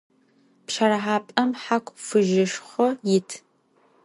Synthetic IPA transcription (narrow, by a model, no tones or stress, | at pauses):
pʃɐɾɐħaːpʼɐmħakʷʰʼfɨʒɪʃχʷɔjɪtʰ